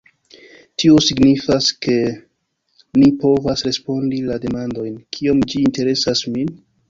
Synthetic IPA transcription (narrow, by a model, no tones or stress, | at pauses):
tio̞siɡnifaske̞ | nipo̞vasɾe̞spo̞ndilade̞mando̞jnkʰio̞md͡ʒiːnte̞ɾe̞sasmin